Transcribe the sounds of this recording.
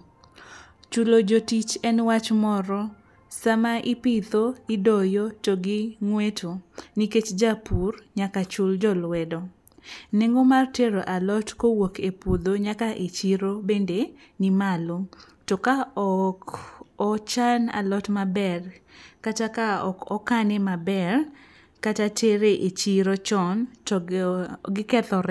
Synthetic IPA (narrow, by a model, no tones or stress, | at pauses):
t͡ʃulod͡ʒotit͡ʃɛnwat͡ʃmɔɾɔ | samaʔipɪt̪oɪdɔjotoɡɪŋwetʰoniket͡ʃd͡ʒapurɲakat͡ʃʊld͡ʒɔlwɛdɔ | neŋɡomarteɾoʔalɔtkowokepud̪oɲakaʔet͡ʃiɾobende | nimalo | tɔkaɔkɔt͡ʃana̰lɔtmabɛrkatakaɔ̰kɔkanemabɛr | katateɾeʔet͡ʃiɾot͡ʃɔntɔ | ɡɪkɛt̪ɔɾɛ